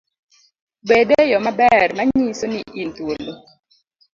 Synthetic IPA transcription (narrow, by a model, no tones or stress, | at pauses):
bedejɔmabɛrmaɲisoniʔintwolo